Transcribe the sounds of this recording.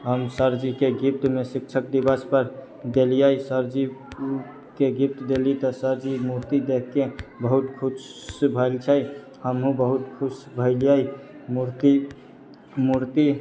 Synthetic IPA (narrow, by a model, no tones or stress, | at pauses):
ɦəmsəɾd͡ʒikeɡipt̪mesik̚t͡ʃʰək̚d̪ibaspəɾ | d̪elijajsəɾd͡ʒi | keɡip̚t̪d̪elit̪ɔsəɾd͡ʒimuɾt̪id̪ekʰkebəɦut̪kʰusbʱəɪlt͡ʃʰəj | həmɦũbəɦut̪kʰusbʱəɪlija | muɾt̪i | muɾt̪i